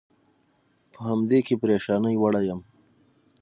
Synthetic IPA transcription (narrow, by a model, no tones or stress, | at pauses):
pəhamd̪ekepɾeʃɑːnəjwaɽajam